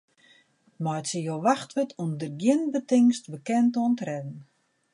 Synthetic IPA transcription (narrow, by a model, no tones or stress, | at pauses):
mɔjtsəjoʋaxtʋɪtʰumdərɡjɪnbətɪŋstbəkɛntəɔntrɛdn̩